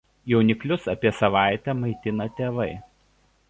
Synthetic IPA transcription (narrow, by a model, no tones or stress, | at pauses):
jɛʊnʲɪklʲʊsɐpʲiɛsɐʋɑˑɪt̪ʲɛmɐɪt̪ʲɪnɐt̪ʲeːʋɐɪ